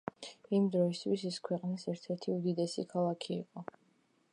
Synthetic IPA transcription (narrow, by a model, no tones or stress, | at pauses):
imd̪ɾɔist̪ʰwisiskʰwɛqʼnisɛɾt̪ʰɛɾt̪ʰiud̪id̪ɛsḭkʰalˠakʰḭːqʼɔ